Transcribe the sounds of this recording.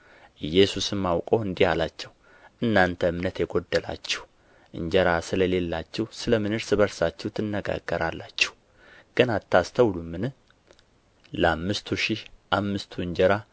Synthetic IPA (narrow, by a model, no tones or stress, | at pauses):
ʔɨjːɛsusɨmːawkʼoɨnd̪ihalat͡ʃːɛw | ʔɨnːant̪ʰəɨmnət̪jɛɡod̪ːəla̰t͡ʃːɛ̥h | ʔɨ̰ɲd͡ʒəɾasɨləle̞lːat͡ʃːɛwsɨləmɨnɨɾsɨbəɾsat͡ʃːɛwt̪ʰɨnːəɡa̰ɡːəɾalːat͡ʃːɛ̥h | ɡ̥ənat̪ʰːast̪ʰəwlumːɨnɨ | ləamːɨst̪ʰuʃɪhʔamːɨst̪ʰuɨɲd͡ʒəɾa